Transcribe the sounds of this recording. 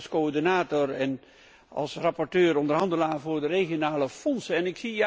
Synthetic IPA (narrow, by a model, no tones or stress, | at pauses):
skoɔɹdinaːtɔɹɛn | ɑ̰lˠsrɑpɔɹtøːɾɔndəɹɦɑndəlaːvʊːɹdəreχjonaːləfɔnsəɛnɪksi